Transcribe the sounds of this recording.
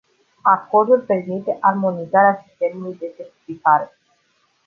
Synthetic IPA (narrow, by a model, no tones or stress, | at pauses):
ako̞rd̪ulpe̞rmit̪e̞ʔarmo̞nizaɾeasi̥st̪e̞mulujd̪e̞set̪ifit̪aɾe